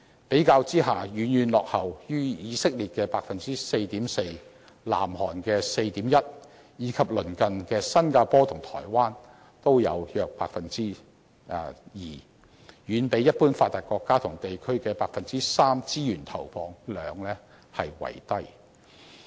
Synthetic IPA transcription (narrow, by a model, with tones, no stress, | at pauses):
pe˨˥jkaː˧wt͡siː˥ɦaː˨jyː˨˥njyː˨˧nlɔː˨k̚hɐ˨wjyː˥jiː˨˧sɪ˥k̚liː˨t̚kɛː˧paː˧k̚fɐ˨nt͡siː˥se˧jt̪iː˨˥mse˧j | la̰ː˨˩mhɔː˨˩nkɛː˧se˧jt̪iː˨˥mjɐ˥t̚ | jiː˨˧kʰɐ˨p̚lɵ˨˩nkɐ˨nkɛː˧sɐ˥nkaː˧pɔː˥t̪ʰʊ˨˩ŋt̪ʰɔ̰ː˨˩jwaː˥n | t̪o˥wjɐ̰˨˧wjœː˨k̚pa̰ː˧k̚fɐ˨nt͡siː˥˨˧ | jiː˨ | jyː˨˧npe˨˥jɐ˥t̚puː˥nfaː˧t̪ːaː˨˩kɔː˧kːaː˥t̪ʰʊ˨˩ŋt̪e˨jkʰɵ˥ɥkɛː˧paː˧k̚fɐ˨nt͡siː˥saː˥mt͡siː˥jyː˨˩nt̪ʰɐ˨˩wfʰɔː˨˧ŋlœː˨˧ŋlɛː˥ | hɐ˨jwɐ̰˨˩jt̪ɐ˥j